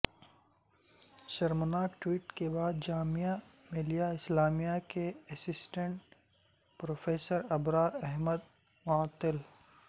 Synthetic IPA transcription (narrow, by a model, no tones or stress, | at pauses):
ʃɐɾmənaːʈwiːʈkebaːd̪̚d͡ʒaːmijamẽlijaɪslaːmijakeɐsɪsʈə̃ɳʈ | pɾoːfeːsəɾɐbɾaɛɦməd̪ | mʊaːt̪ɪl